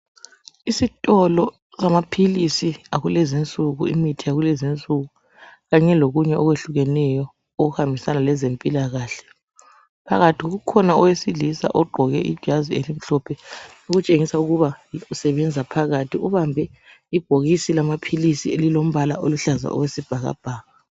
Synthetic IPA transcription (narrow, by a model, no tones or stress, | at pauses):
isitʼɔlɔ | samapʰilisiaɣulɛzint͡sʼuɣuḭmitʰijaɣulɛzint͡sʼuɣu | ɣaɲɛloɣuɲɛʔɔɣweɬuɣɛnɛjɔ | oɣuhambʱisanalɛzempʼilaɣaːɬɛ̥ | pʰaɣatʰiɣoɣukʰɔnaɔwesilisa̰ʔɔɡ͡ǃʱɔɣɛʔi̥ʒ̥ʱazielim̩ɬɔpʰɛ | uɣut͡ʃʼeŋisauɣuβausɛβɛnd͡zʱapʰaɣatʰiuβambʱɛ | ib̥ʱoɣisilamapʰilisielilom̩βala̰ʔoluɬaza̰ʔɔ̰wesib̥ʱaɣa̰b̥ʱaːɣa